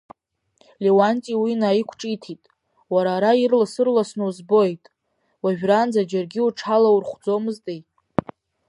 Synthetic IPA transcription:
lewantʼiwinaikʷʰʈ͡ʂʼitʰitʼ | waɾaːɾairlasɨrlasnuzbo̞jtʼ | waʒᶣrand͡zad͡ʒarɡʲiuʈ͡ʂʰalawurχʷd͡zo̞mɨztʼej

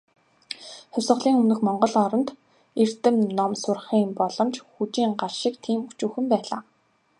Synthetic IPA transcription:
χʊwʲsʁə̆ɮiːŋɵmnɵ̆xmɔɴɢɞ̆ɮɔɾɞ̆nt̪ | er̥t̪ɘ̆mnɔmsʊrχiːmpɔɮɞ̆mt͡ɕxut͡ɕiːŋɢarʃɪ̆kt̪ʰiːmut͡ɕuːxɘ̆mpæːɮa̰ː

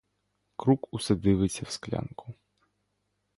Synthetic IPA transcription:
kɾukusɐd̪ɪʋesʲɐwsklʲa̰nkʰʊ̥

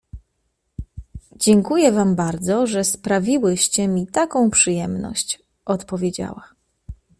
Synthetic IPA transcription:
d͡ʑɛŋkujɛvambaɾd̪zɔʐɛspɾavʲiwɘɕt͡ɕɛmʲit̪akɔ̃w̃pʂɘjɛmnɔ̰ɕt͡ɕ | ʔɔt̪pɔvʲjed͡ʑa̰wa

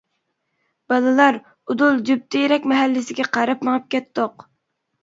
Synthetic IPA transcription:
b̥ɑlˠɨlˠɑɾ | ʊd̪ulˠd͡ʒyp̚t̪ʰɪjɾɛkʲmɛɦælːɪsɪɡʲɛqʰɑɾɑpməʁɑp̚kʲɛt̪ːoq

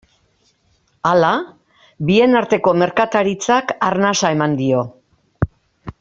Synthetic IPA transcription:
ala | bie̞naɾt̪e̞ko̞me̞ɾkat̪aɾit͡sakarnasae̞mand̪io̞

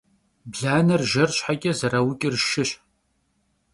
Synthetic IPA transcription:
bɮaːnɐrʒɐrɕħakʲʼɐzɐɾɐwʊkʲʼɪrʃɪɕ

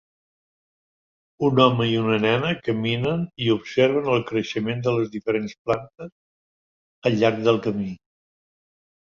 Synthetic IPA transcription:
unɔməiunənɛnəkəminəniupseɾβ̞ənəlˠkɾəʃəmend̪ələzðifəɾensplant̪əs | əʎːaɾɡ̚d̪əlˠkəmi

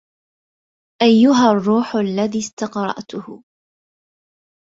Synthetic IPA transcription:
ʔajːʊɦarˤːuːħʊalːaðiːst̪ɑqɾˤɑ̰ʔt̪ʊhʊ

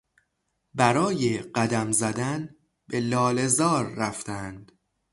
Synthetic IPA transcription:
bæɾɒːjeɢæd̪æmzæd̪æn | be̞lɒːle̞zɒːɾːæft̪ʰænd̪̥

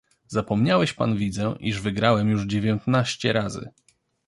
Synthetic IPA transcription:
zapɔmɲawɛɕpa̰nvʲid̪zɛʔiʐvɘɡɾawɛmjuʐd͡ʑevʲjɔnt̪naɕt͡ɕɛɾazɘ̰

